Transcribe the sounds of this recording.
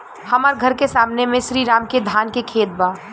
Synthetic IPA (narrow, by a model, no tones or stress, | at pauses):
hɐmaːɾɡʱɐɾkesaːmnemẽʃɾiːɾaːmked̪ʱaːnkekʰeːt̪̚baː